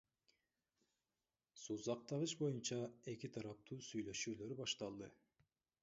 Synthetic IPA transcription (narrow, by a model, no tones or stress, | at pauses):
suzɑq̚t̪ɑʁɯʃbo̞junt͡ʃɑe̞kit̪ʰɑɾɑp̚t̪ʰuːsyjlø̞ʃyːlø̞ɾbɑʃt̪ɑlˠd̪ɯ